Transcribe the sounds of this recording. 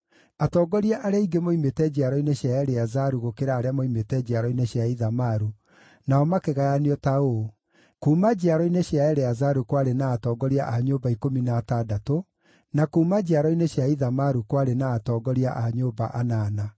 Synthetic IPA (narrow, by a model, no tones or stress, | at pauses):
atɔɡɔɾiaʔaɾeaiɡemoimetɛd͡ʑaɾɔineɕjaɛɾeazaɾuɣokeɾaːɾeamoimetɛd͡ʑaɾɔineɕjaiðamaɾu | naɔmakeɣajaniɔtao | kuːmad͡ʑiaɾɔineɕjaɛɾeazaɾukwaɾenaːtɔːɡɔɾia̰ʔaɲoːbaikominaːtadato | nakuːmad͡ʑiaɾɔineɕjaiðamaɾukwaɾenaːtɔːɡɔɾia̰ʔaɲoːba̰ʔanaːna